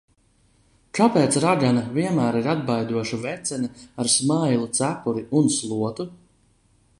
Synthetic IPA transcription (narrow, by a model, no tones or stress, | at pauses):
kapɛːt̪sɾaɡanaviɛmæːɾiɾad̪̚bajd̪uɔʃuvɛt̪sɛnaaɾsmajlˠut̪sæpuɾiʔunslˠuɔt̪u